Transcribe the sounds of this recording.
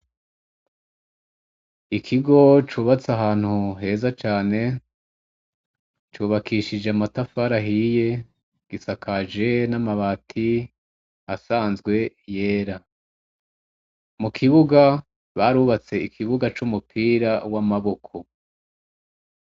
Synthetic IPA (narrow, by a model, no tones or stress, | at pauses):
ikʰiɡo̞t͡ʃuːβat͡saɦaːn̥huɦe̞ːzat͡ʃaːne̞ | t͡ʃuːβakʰiʃid͡ʒeamatafaɾaɦije̞ | ɡ̥isakʰad͡ʒe̞namaβatʰi | asaːnzɡwe̞ | je̞ːɾa | mukʰiβuɡa | βaɾuːβat͡se̞ikʰiβuɡat͡ʃumupʰiːɾawamaβo̞kʰo̞